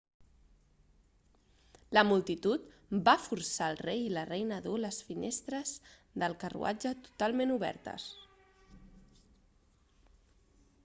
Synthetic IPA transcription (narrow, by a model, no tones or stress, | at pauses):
ləmulˠt̪it̪ut̪bafuɾsaəlˠrejilərejnəðoləsfinest̪ɾəzðəlˠkərṵa̰d͡ʒət̪u̥t̪alˠmenuβɛ̰ɾt̪ə̰s